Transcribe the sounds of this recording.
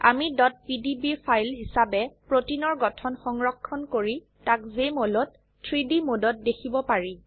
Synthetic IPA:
a̰midɔt̚pidibipʰajlɦisabɛpɹotinɔɹɡɔtʰɔnxɔŋɹɔkʰːɔnkoɹi | takzemolɔt̚ | tʰɹidimodɔt̚dekʰibɔpaɹi

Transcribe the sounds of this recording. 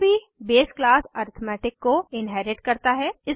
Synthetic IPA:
bʱi | beːsklaːsaːɾt̪ʰmɛːʈɪkːoɪnɦɛːɾɪʈkɐɾt̪aɦɛːɪs

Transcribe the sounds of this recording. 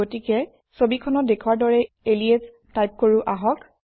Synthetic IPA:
otikɛ | sobikʰɔnɔt̚dekʰuwaɹdɔɹɛ | elies | tajp̚koɹʊʔaɦɔk

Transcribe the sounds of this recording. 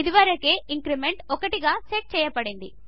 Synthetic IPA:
id̪iʋaːɾɐke̞ːiŋkɾimeɳʈɔkɐʈiɡaːseʈ̚t͡ʃɛːjɐpɐɽind̪i

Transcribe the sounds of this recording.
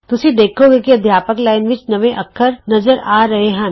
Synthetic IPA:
t̪ʊsid̪eːkʰoɡekiɐd̪ʱjaːpəklaːɪnʋɪt͡ʃnɐʋẽʔɐkʰːəɾnɐzəɾʔaːɾɐɦeɦɛ̃

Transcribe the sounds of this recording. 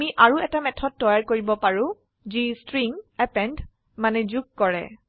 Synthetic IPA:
miʔaɹuɛtamɛtʰɔt̚ːɔjaɹkoɹibɔpaɹũ | zistɹiŋɛpɛnd | manɛzuɡ̚kɔɹɛ̰

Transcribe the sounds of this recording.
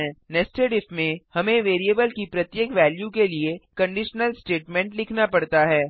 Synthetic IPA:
ɛ̃nɛsʈeɖɪfmẽhɐmẽʋeːɾiebəlkipɾɐt̪jeːkʋɛːljukeliekɐ̃ɳɖɪʃnəlsʈeːʈmɛ̃ɳʈlɪkʰnapɐɽt̪aɦɛː

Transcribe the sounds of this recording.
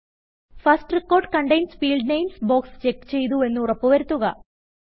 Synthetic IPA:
fɐsʈrikːo̞ːrɖkɐɳɖɐjnsfiːɭɖnɐjmsboːkst͡ɕe̞kːt͡ɕe̞jt̪̬ue̞nːuurɐpːuʋɐɾut̪ːuɣɐ

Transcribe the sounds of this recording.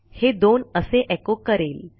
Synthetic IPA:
hed̪onəseʔɛkokəɾel

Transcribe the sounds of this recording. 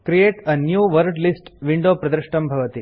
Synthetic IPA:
kɾijeːʈɐnjuːʋɐɾɖlisʈʋiɳɖoːpɾɐd̪ɾɪʃʈɐmbʱɐʋɐt̪i

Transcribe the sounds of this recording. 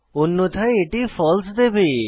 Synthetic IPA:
ʊnːõt̪ʰaeːʈiːfɔːlsd̪ebiː

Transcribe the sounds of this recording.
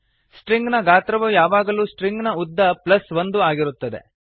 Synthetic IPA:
sʈɾiŋɡnɐɡaːt̪ɾɐʋɐjaːʋaːɡɐluːsʈɾiŋɡnɐud̪ːɐplɐsʋond̪uaːɡiɾut̪ːɐd̪e̞̰

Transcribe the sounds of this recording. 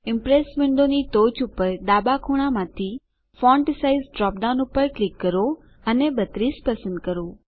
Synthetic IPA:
ɪmpɾesmeɳɖonit̪ot͡ʃʰʊpəɾɗ̪aːbakʰoɽ̃amãt̪ʰi | fɔɳʈɪsaizɖɾɔp̚ɖaʊnupəɾklɪkːəɾo | ənebət̪ɾiːspəsə̃nd̪̚kəɾo

